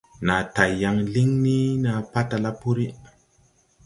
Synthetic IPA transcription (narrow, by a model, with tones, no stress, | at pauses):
na˨ta˨jːa˧ŋli˦ŋni˦na˧˨pa˦ta˧la˦pu˦ɾi˦